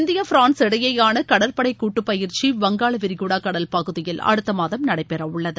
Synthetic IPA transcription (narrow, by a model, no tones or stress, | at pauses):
ɪnd̪ɪjɐfɪɾaːnsɛɽɐjɐjaːnɐkɐɽɐlpɐɽɐɪkːuːʈːɯpːɐjɪɾt͡ʃiʋɐŋɡaːɭɐʋɪɾɪɣuːɽaːkɐɽɐlpɐɣɯðɪjɪlɐ̰ɽɯt̪ːɐmaːðɐmnɐɽɐɪpːɛɾɐʊɭːɐðɯ